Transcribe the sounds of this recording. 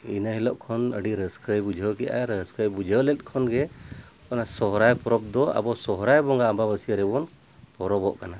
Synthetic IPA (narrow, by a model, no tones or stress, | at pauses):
inaɦilɔʔkʰɔnə̰ɖiɾəskʰəjbud͡ʒʱəwkɛja̰ɾəskəjbud͡ʒʱəwlɛt̪̚ˀkʰɔnɡɛ | kɔnasɔɦɾajpɔɾɔb̚d̪ɔa̰bɔsɔɦɾajbɔŋɡaəmbabəsiaɾɛbɔn | pɔɾɔbɔʔkana